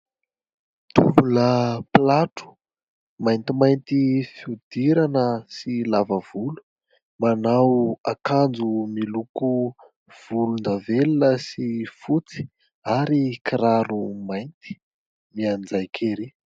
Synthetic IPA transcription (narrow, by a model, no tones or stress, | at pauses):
t̪ṵbuləplaʈ͡ʂu̥ | majnt̪imajnt̪ifiud̪̥iɾanəsilavəv̥ulu̥ | manawakand͡zumiluku | v̥ulund̪avelunəsifut͡si̥ | aɾikiɾaɾumajnt̪i̥ | miand͡zajkʰeɾi